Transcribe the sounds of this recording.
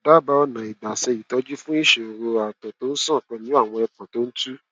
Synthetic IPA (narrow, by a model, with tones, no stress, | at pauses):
da˦˨ba˧ɔ˧nã˨i˨ɡ͡ba˨sɛ˧ji˨tɔ˨˧˦d͡ʒu˦fũ˦i˦˨ʃe˨o˨ɾo˧a˨tɔ˨to˨˦n̩˦sã˦˨k͡pɔ̃˧nĩ˦a˦˨w̃ɔ̃˧ɛ˧k͡pɔ̃˨to˦n̩˦tu˦